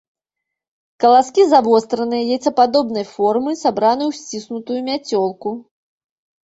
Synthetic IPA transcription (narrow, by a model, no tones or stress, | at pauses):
kɐlˠaskʲizavɔst̪ɾɐnɨjɐjɛt͡sʲɐpad̪ɔbnɐjfɔrmɨsabɾanɨjuwsʲt͡sʲisnut̪ujumʲat͡sʲɔlˠku